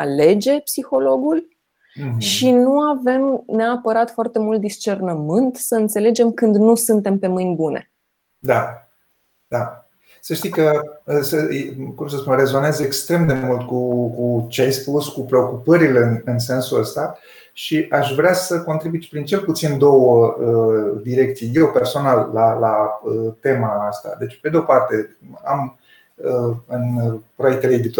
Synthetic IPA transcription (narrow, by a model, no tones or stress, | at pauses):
ale̞d͡ʒe̞psixo̞lo̞ɡul | ʃinuave̞mneapəɾat̪foart̪e̞mult̪̚d̪ist͡ʃe̞rnəmɨnt̪səɨnt̪se̞le̞d͡ʒe̞mkɨnd̪nusɨnt̪e̞mpe̞mɨjnʲbune̞̰ | d̪a | d̪a | səʃt̪ikəəsəkumsəspunre̞zo̞nezekst̪ɾe̞md̪e̞mult̪̚kukut͡ʃeajspuskupɾe̞o̞kupəɾileɨnɨnse̞nsuəst̪a | ʃiʔaʃvɾeasəko̞nt̪ɾibuit͡ʃ̪pɾint͡ʃe̞lput̪sind̪o̞wəəd̪iɾe̞k̚t̪sijje̞wpersonalːaːaət̪e̞maːst̪a̰d̪e̞t͡ʃped̪eo̞part̪e̞a̰m | əɨnpɾojek̚t̪eleed̪it̪